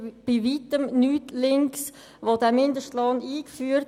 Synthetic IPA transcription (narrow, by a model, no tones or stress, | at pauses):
b̥ivitəmnyːtlɪŋks | ʋodɛmɪndəʃtlɑniːkfyːəɾ